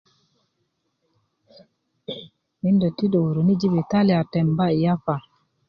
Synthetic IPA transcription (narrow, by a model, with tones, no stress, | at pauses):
mi˦ndɔ˨ti˦dɔ˨wu˨ɾo˨ni˦d͡ʒi˦bɛ˨ta˦li˨a˨tɛ˨mba˦i˨ja˦fa˨